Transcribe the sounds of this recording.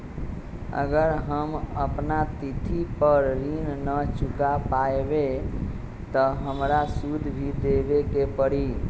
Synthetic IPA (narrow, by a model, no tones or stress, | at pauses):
ə̰ɡəɾɦəməpnat̪it̪ʰipəɾːinnət͡ʃukapaebe | t̪ɔɦəmɾasud̪ʱbʱid̪ebekepəɽi